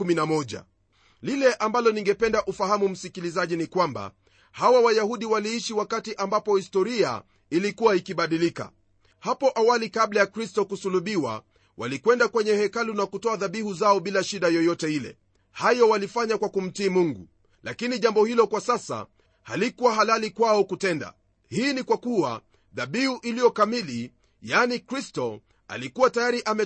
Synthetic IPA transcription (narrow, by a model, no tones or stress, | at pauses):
uminamɔʄa̰ | lilɛʔambalɔniŋɡɛpɛndaʔufahamum̩sikilizaʄinikwamba̰ | hawawajahuɗiwaliiʃiwakatiʔambapɔhistɔɾia̰ | ilikuwaikiɓaɗilika̰ | hapɔʔawalikaɓlajakɾistɔkusuluɓiwa̰ | wa̰likwɛndakwɛɲɛhɛkalunakutɔaðaɓihuzaɔɓilaʃiɗajɔjɔtɛilɛ̰ | hajɔwalifaɲakwakum̩tiːmuŋɡṵ | lakiniʄambɔhilɔkwasasa̰ | halikuwaɦalalikwaɔkutɛnda̰ | hiːnikwakua̰ | ðaɓihuʔilijɔkamili | janikɾistɔ | a̰likuwatajaɾiʔamɛ